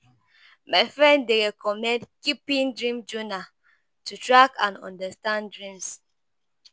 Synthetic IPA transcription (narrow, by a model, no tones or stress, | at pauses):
maɪfɹɛ̃ndeɹɛkʰɔmɛ̃ndkipĩndɹĩmd͡ʒuna | tutɹakãnɔ̰̃ndastãndɹĩms